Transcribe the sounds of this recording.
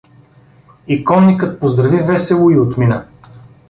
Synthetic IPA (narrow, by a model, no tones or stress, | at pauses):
ikɔnnːikət̪̚pozd̪ɾɐvivɛsɛlˠʊiot̪minə